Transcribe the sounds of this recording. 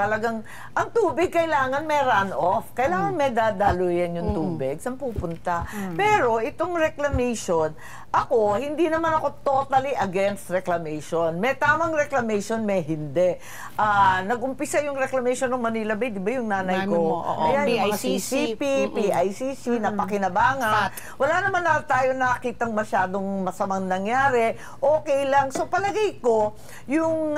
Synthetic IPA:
t̪ɐlɐɡaŋ | ʔɐŋt̪uːbɪɡ̚kɐɪlaːŋɐnmɛjɾanʔofkɐʔɪlaːŋɐnmɛd̪aːd̪alujɐnjʊŋt̪uːbɪɡ̚sɐmpuːpʊnt̪apɛːɾo̞ʔɪt̪o̞ŋɾɛklɐmɛjʃon | ʔɐko̞hɪnd̪inɐmanɐko̞t̪o̞t̪ɐliʔɐɡɛnst̪ɹɛklɐmɛjʃonmɛt̪aːmɐŋɾɛklɐmɛjʃonmɛjɦɪnd̪ɛʔ | ʔaːnɐɡ̚ʔʊmpɪsajʊŋɾɛklɐmɛjʃonɐŋmɐniːlɐbɐjd̪ɪbajʊŋnaːnɐjkoʔɐjanjʊmɐŋasisipipiːʔajsisinɐpɐkɪnɐbaːŋɐn | wɐlanɐmanːɐt̪aːjo̞nɐɐkiːt̪ɐŋmɐʃaːd̪o̞ŋmɐsɐmaŋnɐŋjaːɾɛ | ʔoːkɛjlɐŋso̞pɐlɐɡajko̞ | jʊŋ

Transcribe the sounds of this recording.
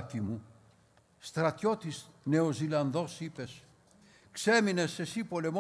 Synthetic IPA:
t̪imu | st̪ɾɐt̪jot̪isne̞ozilɐnðosipe̞s | kseminesːe̞sipole̞m

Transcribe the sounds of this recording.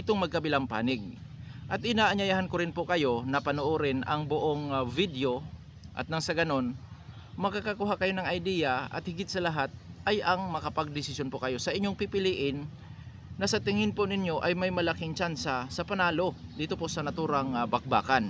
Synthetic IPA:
ɪt̪oŋmɐɡ̚kɐbɪlaŋpa̰ːnɪɡ̚ | ʔɐt̪̚ʔɪnaːʔɐɲajaːhankoɾɪnpokɐjo̞nɐpɐnoʔoɾɪnʔɐŋbʊʔoŋvid̪jo̞ | ʔɐ̰t̪̚nɐŋsɐɡɐno̞n | mɐɡkakakʊɦakɐjo̞nɐŋɐjd̪ijaʔɐ̰t̪̚hɪɡɪt̪sɐlɐɦat̪̚ʔɐjɐŋmɐkɐpɐɡ̚d̪ɪsɪsjonpokɐjo̞sɐʔɪɲːoŋpipɪliʔɪnː | ɐsɐt̪ɪŋɪnponɪɲjo̞ʔɐjmɐjmɐlakɪŋt͡ʃansasɐpɐnaːlo̞d̪iːt̪o̞po̞sɐnɐt̪uːɾɐŋbɐk̚ba̰ːkan

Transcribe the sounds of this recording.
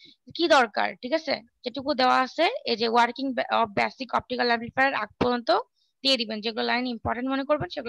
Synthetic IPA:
kid̪ɔɾka̰ɾʈʰikat͡ɕʰḛd͡ʒeʈukud̪eoaaʃʰeed͡ʑewaɾkiŋɔbɛsikɔp̚ʈikalːɛmplifaɾaɾa̰ɡ̚pɔɾd͡ʑont̪o | d̪̥ied̪ibend͡ʑeɡulolajnimpɔɾʈẽɳʈmonekoɾbenʃeɡulo

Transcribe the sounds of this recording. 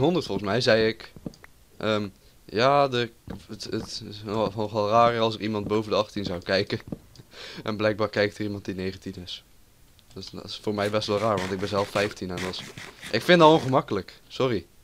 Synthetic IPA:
ɦɔndərtfɔlˠχənsmɛjzɛjɪk | ʔəːm | jaːdətətnɔχɛlˠraːrɑlˠs̬ɪkimɑnt̚bowvəndəɑχtinzawkɛjkə | ʔɛ̰nblɛjɡ̚baːɹkɛjk̚tərimɑnt̚dinejχətinɪs | dstɪsfoːɹmɛjbɛstʋɛlˠraːɹʋɑntɪɡ̚bɛnzɛlˠfːɛjftinɛnɔsʔɪkfɪndɑtõnχəmɑkələksɔri

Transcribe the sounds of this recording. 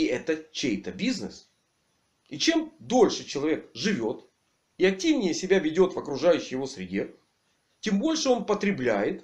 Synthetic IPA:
iɛt̪ət͡ɕejt̪əbʲiznɨ̰s | it͡ɕe̞md̪o̞lʲʂɨt͡ɕɪlˠɐvʲe̞kʐɨvʲo̞t̪ | iɐk̚tʲːivnʲɪjəsʲɪbʲavʲɪdʲo̞t̪vəkɾʊʐajʉɕːɪjɪvo̞sɾʲɪdʲe̞ | tʲe̞mbo̞lʲʂɨo̞npət̪ɾʲɪblʲæjɪt̪

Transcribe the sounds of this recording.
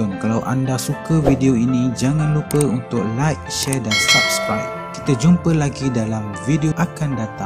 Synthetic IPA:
ʊnkalawʔa̰ndasukavideoinĩd͡ʒaŋãnlupəunt̪ʊk̚lajk̚ʃɛrdansap̚skɾajp | ki̥t̪ad͡ʒumpəlaɡidalamvideoʔakandat̪aŋ

